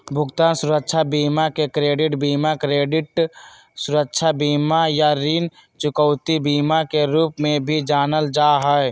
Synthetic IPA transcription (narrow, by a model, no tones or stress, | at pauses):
bʱʊɡt̪aːnsʊɾəkʃʰabiːmakekɾeːɖɪʈbiːmakɾeːɖɪʈ | sʊɾəkʃʰabiːmajaɾin | t͡ʃʊkəʊt̪ibiːmakeɾuːpmẽbʱid͡ʒaːnəld͡ʒaːɦɛe